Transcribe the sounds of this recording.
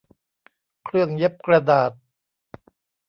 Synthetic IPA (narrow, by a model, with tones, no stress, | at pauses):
kʰɾɯ˥˩əŋje˦˥p̚kɾa˧daː˨˩t̪̚